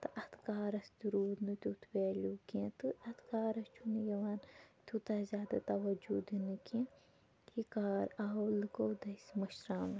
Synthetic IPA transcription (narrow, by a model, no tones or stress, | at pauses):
t̪ɨʔɐt̪ʰkaːɾɐsd̪uɾuːd̪nɨt̪ʲut̪ʰweːlʲukẽt̪ɨɐt̪ʰkaːɾɐst͡ʃʰunɨjɐwaːnt̪ʲut̪azʲjaːd̪at̪ɐwɐd͡ʒud̪ɨnɨkẽ | hikaːɾawlɨkowd̪ɐsmɐʃɾaːnɨ